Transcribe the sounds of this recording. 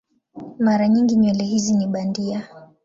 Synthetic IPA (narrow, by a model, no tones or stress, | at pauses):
maɾaɲiŋɡiɲwɛlɛhiziniɓandia